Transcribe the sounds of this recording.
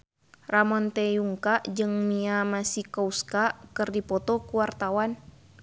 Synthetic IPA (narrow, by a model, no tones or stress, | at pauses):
ramɔnt̪ɛuŋkaʔd͡ʒɨŋmiamasikɔuskakɨrdipɔt̪ɔkuwart̪awan